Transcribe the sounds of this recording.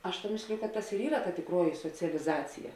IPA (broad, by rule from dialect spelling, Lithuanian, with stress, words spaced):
ˈɐʃ tɐ ˈmʲeːsʲlʲɪjʊ kɐ ˈtɐs ɪr ˈiːrɐ tɐ tʲɪkˈruɔjɪ soːt͡sʲɛlʲɪˈzɑːt͡sʲɪjɛ